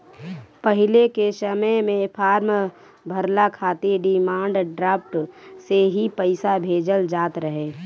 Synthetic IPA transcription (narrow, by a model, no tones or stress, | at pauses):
pəɦɪlekesəməmẽpʰaːɾm | bʱəɾlakʰaːt̪eɖɪmaːɳɖɖɾaːpʰʈseɦipəɪsabʱeːd͡ʒəld͡ʒaːt̪ɾəɦeː